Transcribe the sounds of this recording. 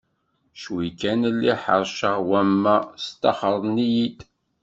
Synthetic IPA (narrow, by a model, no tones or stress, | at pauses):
ʃwikænlːiħə̰ɾˤʃəʁwæmːæst̪ɑχəɾˤnijid̪